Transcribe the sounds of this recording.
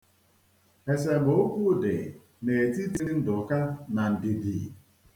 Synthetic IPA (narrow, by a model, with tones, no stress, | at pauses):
e˨s̬e˨ɡ͡bo˨˦o˦kʷu˦˨dḛ˨ | ne˨e˨ti˦ti˦ɾi˦n̩˦dʊ˨ka˦na˨n̩˨di˨di˨